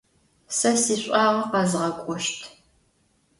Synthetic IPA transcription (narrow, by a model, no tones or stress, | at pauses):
sɐsiːɕʷʼɑːʁɐqɑzʁɐkʷʼʊʃtʰ